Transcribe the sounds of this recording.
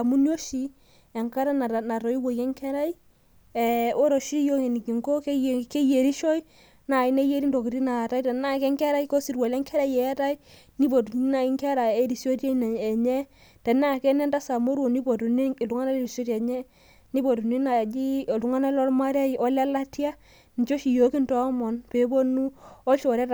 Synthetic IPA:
a˨mu˦njo˦ʃi˨ | ɛ˨ŋka˦ɾa˦na˨na˨ɾɔ˨i˦wo˨jɛ˦ŋkʰɛ˦ɾa˦i˦ | ɛ˨o˦ɾo˨ʃi˦jo˦ŋe˨ni˨ki˨ŋɡo˦ke˦˨ke˦je˨ɾi˦ʃɔ˦j | na˨i˦ne˦je˦ɾi˦ndo˨ki˨ɾi˦na˨ta˦jtɛ˨na˦kɛ˦ŋkɛ˦ɾa˦i˦ko˦si˨ɾwa˨lɛ˦ŋkʰɛ˦ɾa˦jjɛ˨a˦ta˦i˦ | ni˦bo˨tu˨ni˦na˨i˦ŋkɛ˦ɾa˨e˦ɾi˨sjo˦tja˦n˨ɛ˨ɲɛ˦ | tɛ˨na˦˨kɛ˦nɛ˦nda˦sa˨mo˦ɾwo˨ni˦bo˨tu˨ni˦˨lu˨ŋa˦na˦le˦ɾi˨so˦ta˨ɲɛ˦ | ni˦bo˨tu˨ni˦na˨d͡ʒi˦˨lu˨ŋa˦na˦lɔ˦lma˦ɾa˦˨ɔ˦la˦la˦tja˦ | n˨t͡ʃo˦ʃi˨jo˨˦ki˦ntɔ˦mɔ˨npe˨bo˦nu˦ɔ˦ʃo˨ɾɛ˦t

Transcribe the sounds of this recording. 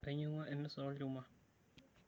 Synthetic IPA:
e˨ɲu˦ŋɔ˦ʔe˦mi˦sɔ˨˦luː˦ma˨

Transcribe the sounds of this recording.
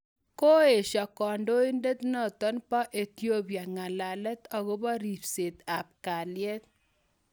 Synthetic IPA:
ko˦e˨ʃɔ˨kɔ˨ndo˦i˦nde˦t̪nɔ˨t̪ɔ˦npa˦ʔe˨t̪jo˦pja˨ŋa˨la˨lɛ˦t̪ɔ˨ɣo˦bɔ˦ɾi˨ɾse˨t̪a˨p̚ka˨ljɛ˦t̪̚

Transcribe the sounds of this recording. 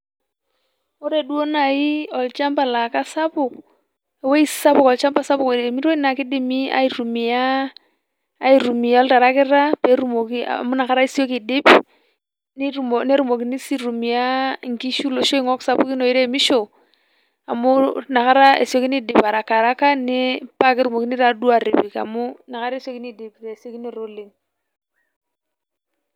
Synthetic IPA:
o˦ɾe˨du˦o˦na˨ji˦ɔ˨lt͡ʃa˦mba˨la˨ka˦sa˦pʊ˨k | e˨we˦i˦sa˦pʊ˨kɔ˨lt͡ʃa˦mba˦˨sa˦pʊ˨kɾe˨mi˦ɾwo˦i˦na˨ki˦di˦mi˦a̰˦i˨ɾu˨mi˨ja˦ | i˨ɾu˨mi˨ja˨˦ɔ˦lta˨ɾa˦kɪ˦ɾa˦pe˨˦ɾu˦mo˨ki˦a̰˨mu˦na˨ka˦ɾa˦i˦si˦o˦ki˨di˦p | ni˦˨o˨ne˦ɾu˨mo˨ki˦ni˦si˦ɾu˨mi˨a˦ŋ˨ki˦ʃu˦lo˨ʃo˦i˦ŋo˦ksa˦pu˦ki˦no˨i˦ɾe˦˨mi˦ʃo˨ | a˨mu˦na˨ka˦ɾa˦ḛ˨si˦o˦ki˦ni˦di˨pa˨ɾa˨ka˨ɾa˦ka˦ne˦pa˦ki˦ɾu˨mo˨ki˦ni˦ɾa˦du˦a˨ɾi˨bi˨ka̰˨mu˦na˨ka˦ɾso˦ki˦ni˦di˨pɾe˨si˦o˦ki˦ni˦ɾo˦li˨n

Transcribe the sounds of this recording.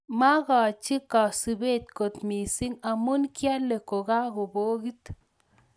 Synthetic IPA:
ma˦ɣa˨t͡ʃi˦ka˨si˧be˦t̪ko˨t̪mi˨si˦ŋa˧mu˦nkja˦le˨ko˨ɡa˦ɡo˨bo˦ɡi˦t̪

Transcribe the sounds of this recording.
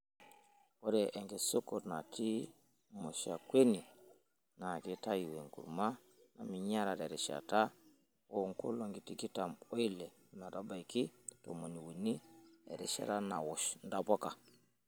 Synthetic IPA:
o˦ɾɛ˨ʔɛ˨ŋɡe˨so˦ko˨tna˨tʰi˦ | mo˨ʃa˨kwe˦ni˨ | na˨ki˦ta˦ji˨we˨ŋkṵ˨ɾma˦ | na˨mi˨ɲa˦ɾa˨ɾe˨ɾɛ˨ʃa̰˨ta˦ | wo˦˨ŋko̰˦lo˦˨ŋɡi˨ti˦ki˦ta˨mo˦i˦lɛ˨na˨ta˦ba˨i˨ki˦to̰˨mo˨ni˨wu˨ni˦ḛ˨ɾɛ˨ʃa̰˦ɾa˦na̰˨wɔ˨ʃnda˦˨po˦ka˨

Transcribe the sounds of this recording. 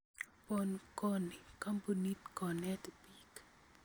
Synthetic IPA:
pɔ˨nkɔ˦ni˨ka˦mbu˨ni˦tkɔ˨nɛ˦tbi˦k

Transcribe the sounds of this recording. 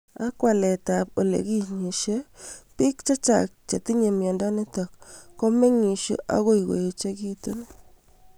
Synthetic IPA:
a˦kwa˨lɛ˨ta˨po˨lḛ˨ki˦ɲi˨ʃe˦pi˦kt͡ʃa˦t͡ʃa̰˨k̚t͡ʃe˨ti˦ɲe˨mjɔ˨ndɔ˦ne˦tɔ˨kːo˦me˦ŋi˨ʃḛ˦ʔa̰˦ɣo˦i˨ɣo̰˨je˨t͡ʃe˦ki˦tu˦n

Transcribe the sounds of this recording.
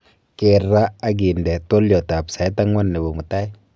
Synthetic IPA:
ke˨ɾa˦a˦ɡ̬i˨ndɛ˨to˦ljɔ˨ta˨psa˨ɛ˦ta˦ŋwɔ˦nːɛ˨bɔ˨mu˨ta˦j

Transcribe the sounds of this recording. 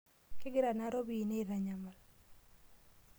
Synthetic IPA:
kɪ˦ɡɪ˦ɾa˨na˦ɾo˦bi˨ne˦˨ɾa˨ɲa˨ma˨l

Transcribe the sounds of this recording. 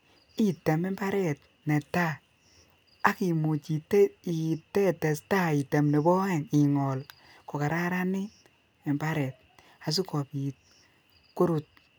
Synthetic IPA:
i˨te˨me˦mba˦ɾɛ˦˨t | ne˨ta˦ | a˦ki˨mu˨t͡ʃi˨ti˨tɛ˦tɛ˨sta˦i˨te˨mne˨bɔ˦ɛ˦˨ŋi˨ŋɔ˨l | ko˨ka˨ɾa˦ɾa˦nɪ˦ | ɛ˨mba˦ɾɛ˨t̚ | a˨s̬u˦kɔ˨pi˨t̚ | ku˦ɾu˨t̚

